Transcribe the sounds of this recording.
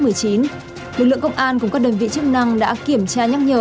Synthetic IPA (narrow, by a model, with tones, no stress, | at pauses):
mɨ˨˩əjt͡ɕi˨˦n | lɨ˨k̚lɨ̰˧˨ə˨kə˧wŋ͡mʔaː˧nk̬ʊ˨˩ŋ͡mkaː˦˥k̚ɗe˧˩nvḭ˧˨t͡ɕɨ˦˥ək̚na˧ŋɗa̰ː˧˥ki˧˩əmt͡ɕaː˧ɲa˦˥k̚ɲəː˧˩